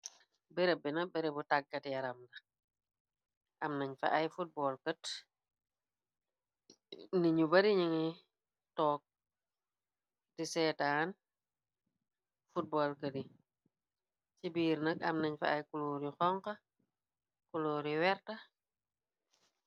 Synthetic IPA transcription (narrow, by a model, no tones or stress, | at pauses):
bɛɾebinɐbɛɾebutaɡːɐtijɐɾɐmdɐ | ʔɐmnɐɲfɐ̰ʔɐjfut̚bɔlkət | niɲubɐɾiɲiŋi | tɔːk̚ | disɛːtaːn | fut̚bɔːlkədi | cibiːɾnəkɐmnɐɲfɐ̰ːjkuloɾixɔŋkɐ | kuloːɾiwɛɾtɐ